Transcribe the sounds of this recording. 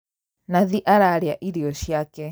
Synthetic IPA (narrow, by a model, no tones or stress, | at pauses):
naðiʔaɾaɾeaʔiɾiɔʃjakɛ